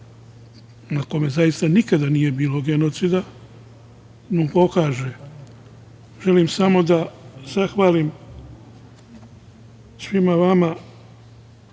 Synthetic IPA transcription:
nako̞me̞zajist̪anikad̪anije̞biːlo̞ɡe̞no̞t̪sid̪a | nupo̞kaːʒe | ʒe̞limsamo̞d̪az̥axʋaːlim | sʋimaʋama

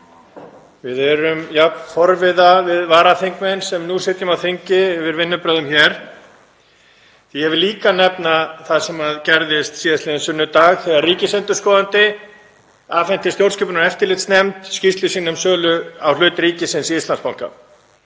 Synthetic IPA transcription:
vɪðɛɾʏmjapnfɔɾvɪðavɪðvaːɾaθeŋkmɛnsɛmnusɪt̪jʏmawθɪɲcɪvɪɾvɪnːʏpɾœðʏmçɛɾ̥ | θihɛvɪliːkanɛpnaθaðsɛmaðcɛɾðɪst̪siːðaslɪðɪnsʏnːʏt̪aːɣθɛːɣaɾriːcɪsɛnt̪ʏ̥skɔːðant̪ɪ | aːfɛn̥t̪ɪst̪jowɾscɛpʏnaɾɛft̪ɪlɪt̪snɛmt̪scist̪lʏsiːnʏmsœːlʏawlœːt̪ɾiːcɪsɪnsiist̪lanspawŋ̥ka̰

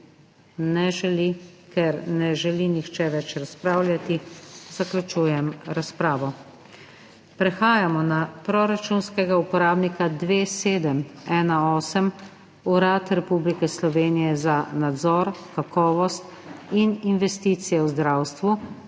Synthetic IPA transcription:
nɛʒɛlikɛɾnɛʒɛlinixt͡ʃɛʋɛt͡ʃɾaspɾaːwlʲjat̪izaklʲut͡ʃuːjɛmɾaspɾaːʋɔ | pɾɛxaːjamɔnapɾɔɾat͡ʃunskɛɡaupɔɾaːbnikad̪ʋeːseːd̪əmɛːnaɔːsɛm | uɾat̪ɾɛpublikɛslɔʋeːnijɛzanad̪zɔɾkakɔːʋɔst̪ | ininʋɛst̪iːt̪sijɛwzd̪ɾawst̪ʋu

